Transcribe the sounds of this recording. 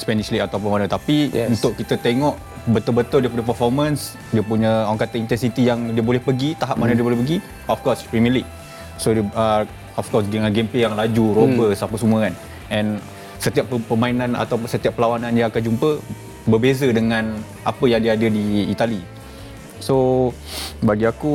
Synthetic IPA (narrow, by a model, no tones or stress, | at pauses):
spɛniʃliʔat̪awpəmanə̃t̪apiunt̪ʊʔkit̪ət̪eŋɔʔ | bət̪ʊlbət̪ʊldiəpuɲə̃pəfɔrmə̃ns | diəpuɲəawaŋkat̪əint̪ɛnsit̪ijaŋdiəbolɛhpəɡit̪aɦap̚manadiəbolɛhpəɡi | ɔfkɔspɾimɛlik̚ | sodəə | ɔfkɔsdəŋanɡemplejaŋlad͡ʒuɾobəsapəsuməan | ʔɛ̃n | sət̪iapəpəmainana̰t̪awsət̪iapːəlawanãnijãakand͡ʒumpə | bəbezədəŋãn | ʔapəjaŋdiəadədiːt̪ali | so | baɡiaku